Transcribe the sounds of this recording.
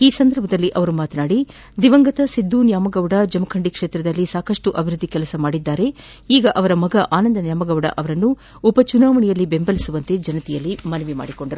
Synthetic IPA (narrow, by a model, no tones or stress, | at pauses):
iːsɐnd̪ɐɾbʱɐd̪ɐlːiʔɐʋɐɾumaːt̪ɐnaːɽi | d̪iʋɐŋɡɐt̪ɐsid̪ːunjaːmɐɡɐʋɽɐd͡ʒɐmɐkʰɐɳɖikʂeːt̪ɾɐd̪ɐlːisaːkɐʂʈuʔɐbʱiɾud̪ːikɛlɐsɐmaːɽid̪ːaːɾe̞ | iːɡɐʔɐʋɐɾɐmɐɡɐʔaːnɐnd̪ɐnjaːmɐɡɐʋɽɐ̰ʔɐʋɐɾɐnːuː | pɐt͡ʃunaːʋɐɳijɐlːibe̞mbɐlisuʋɐnt̪e̞d͡ʒɐnɐt̪ɛjɐlːimɐnɐʋima̰ːɽiko̞ɳɖɐɾu